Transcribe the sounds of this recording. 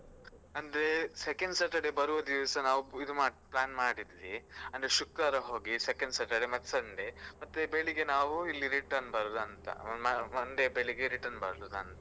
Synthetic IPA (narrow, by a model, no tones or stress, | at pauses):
ɐnd̪ɐɾe̞sekeɳɖsɐʈɐɖebɐɾuʋɐd̪iʋɐsɐnaːʋuid̪umaːplaːnmaːɽid̪iʋiɐnd̪ɐɾeʃukɾɐɾɐɦo̞ːɡisekeɳɖsɐʈɐɖemɐt̪ːsɐɳɖemɐt̪ːubeɭiɡenaːʋuilːiɾiʈɐɾnbɐɾud̪uɐnt̪ɐ̰mɐmɐnd̪ebeɭiɡeɾiʈɐɾnbɐ̰ɾlud̪ɐ̰nt̪ɐ